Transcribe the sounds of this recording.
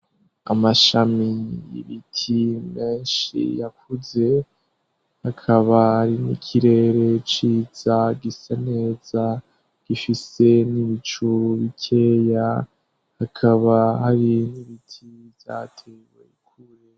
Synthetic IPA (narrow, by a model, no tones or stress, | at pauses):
amaʃamijḭβitʰime̞ːnʃḭjakuze̞ | hakʰaβahaɾinikʰiɾe̞ɾe̞t͡ʃiːz̥aɡisane̞ːza | ɡ̥ifise̞niβit͡ʃuβikʰe̞ːja | hakʰaβahaɾiniβitʰivja̰tʰewḛikʰuɾe